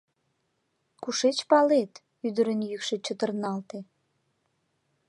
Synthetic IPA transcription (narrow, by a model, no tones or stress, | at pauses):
kuʃet͡ɕpɑlet̪ | yd̪əɾənjykʃet͡ɕət̪ərnɑlt̪e